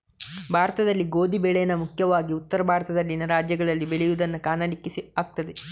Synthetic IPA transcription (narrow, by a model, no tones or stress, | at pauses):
bʱaːɾɐt̪ɐd̪ɐlːiɡo̞ːd̪ʱibɛɭɛjɐnɐmukʰjɐʋaːɡiut̪ːɐɾɐbʱaːɾɐt̪ɐd̪ɐlːinɐɾaːd͡ʒjɐɡɐɭɐlːibeɭɛjud̪ɐnːɐkaːnɐlikːisiaːɡ̚t̪ɐd̪e